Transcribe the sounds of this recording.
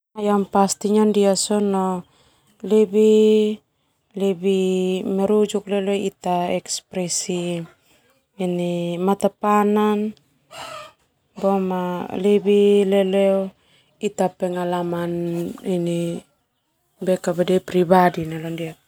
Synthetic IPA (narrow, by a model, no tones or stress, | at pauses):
ajompastiɲondiasono | lebi | lebimeɾud͡ʒukleleitaekspɾesi | inimatapanan | bomalebilelew | itapeŋalamanini | bekabadepɾibadinalondia